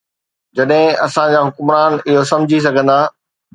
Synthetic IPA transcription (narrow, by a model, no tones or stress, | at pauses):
d͡ʑɐɗɦɪ̃ɐsãd͡ʑaːɦʊkmɾaːnɪɦosɐ̃md͡ʑʱis̬ɐɡʱə̃nd̪aː